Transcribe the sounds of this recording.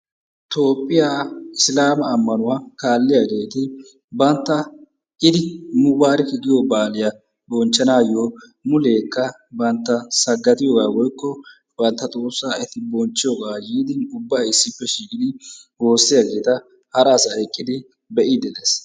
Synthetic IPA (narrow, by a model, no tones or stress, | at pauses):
t̪o̞ːpʼːɪjaːɪslaːmɐːmːɐnʊwakaːlːɪjaɡe̞ːt̪ɪ | bɐnt̪ːɐ | ʔɪd̪ɪmʊwaːɾɪkɪɡɪjobaːlɪjɐ | bɔnt͡ʃːɐnaːjoː | mʊle̞ːkːɐ | bɐnt̪ːɐsɐɡːɐt̪ʼɪjoːɡaːwɔjkːɔ | b̥ɐnt̪ːɐt̪ʼoːsːaːɛt̪ɪbɔnt͡ʃːɪjoɡaːjiːd̪ɪnʊbːaːɪsːɪpːɛʃiːkʼɪd̪ɪho̞ːsːɪjɐɡe̞ːt̪ɐ | hɐɾɐːsaːɛkʼːɪd̪ɪ | bɛʔiːd̪ɛleːs